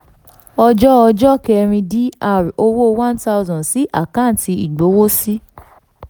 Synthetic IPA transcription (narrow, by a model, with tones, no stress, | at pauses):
ɔ˧d͡ʒɔ˦ɔ˧d͡ʒɔ˦kɛ˧ɾ̃ĩ˧di˦a˦˨ɾo˧wo˦wã˦nta˦u˦zɔ̃˨si˨˦ʔa̰˦˨kã˦˨n˨ti˧i˨ɡ͡bo˨˦wo˦si˦